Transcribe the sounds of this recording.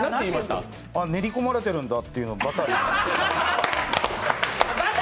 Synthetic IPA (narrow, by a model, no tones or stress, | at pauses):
nãt̪eiːmaɕt̪a̰ | aneɾʲiko̞maɾe̞t̪e̞ɾɯ̟̃nd̪at̪ːe̞jɯ̟nobat̪aiat̪ea